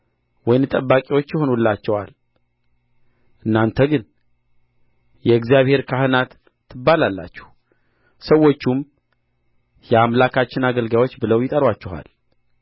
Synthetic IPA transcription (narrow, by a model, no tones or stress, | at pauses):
wɔjnt̪ʼəbːakʼiwo̞t͡ʃːjɛho̞nulːat͡ʃːɛwa̰l | ʔɨnːant̪ʰəɡɨn | jɛɨɡzijaβhe̞ɾkʰahɨnat̪ʰː | ɨbːalalːa̰t͡ʃːɛ̥h | səwːo̞t͡ʃːum | jɛamlakʰat͡ʃːɪnaɡəlɡawo̞t͡ʃːbɨləwjɪt̪ʼəɾwat͡ʃːɛha̰l